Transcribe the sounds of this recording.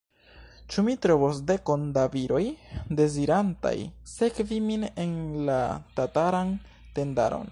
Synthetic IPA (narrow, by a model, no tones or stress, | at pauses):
t͡ʃumitɾo̞vos̬de̞ko̞ndaviɾo̞jde̞ziɾanta̰jse̞kviminenla̰tataɾan | te̞nda̰ɾo̞̰n